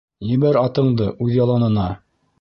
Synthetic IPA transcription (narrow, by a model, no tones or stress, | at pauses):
jɘ̆βæɾɑt̪ɤ̆ɴd̪ɤʔʉðjɑlˠɑnɤ̆nɑ